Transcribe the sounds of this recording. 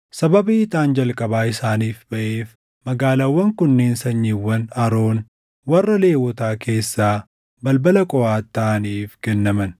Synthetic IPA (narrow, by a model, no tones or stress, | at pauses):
sɐbɐbiɪt̪aːnd͡ʒɐlkʼɐbaːɪsaːniːfbɐʔeːf | mɐɡaːlawːɐŋkʊnːeːnsɐɲːiwːɐnɐɾo̞ːn | wɐrːɐle̞ːwɔt̪aːke̞ːsːaː | bɐlbɐlɐkʼɔʔaːt̪ːaːniːfɡɛnːɐmɐn